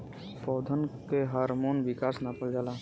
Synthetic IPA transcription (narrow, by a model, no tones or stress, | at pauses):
pɔːd̪ʱənkeɦaːɾmonʋɪkaːsnapəld͡ʒaːla